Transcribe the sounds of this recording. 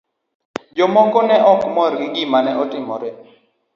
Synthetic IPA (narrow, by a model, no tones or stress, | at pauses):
d͡ʒɔmɔkɔnɛʔɔkmɔɾɡɪɡimanɛɔtɪmɔ̰ɾɛ